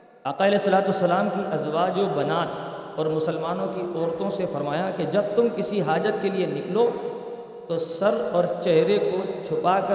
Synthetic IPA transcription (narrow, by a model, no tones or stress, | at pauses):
ɐqaɪɐlɛːɦsːɐlaːt̪uɐsːɐlaːmkiʔɐzʋaːd͡ʒõbɐnaːt̪ | ɔːɾmʊsəlmaːnõkiɔːɾt̪õsefɐɾmaːjaked͡ʒɐb̚t̪ʊmkɪsiɦaːd͡ʒət̪kelienɪkloː | t̪osɐɾɔːɾt͡ʃɛɦɾekot͡ʃʰʊpakɐ